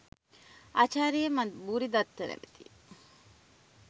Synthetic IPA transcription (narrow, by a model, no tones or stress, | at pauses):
at͡ʃaːɾijəmabuɾid̪at̪ːəɾɛ̰mit̪i